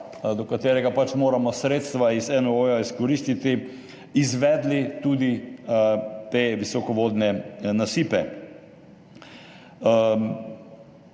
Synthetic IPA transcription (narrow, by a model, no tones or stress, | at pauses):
d̪ɔkat̪eːɾɛɡapat͡ʃmoːɾamɔsɾeːt̪st̪ʋaizɛnoojaiskɔɾist̪it̪i | izʋɛːd̪lit̪uːd̪i | t̪eʋisɔkɔʋoːd̪nɛnasiːpɛ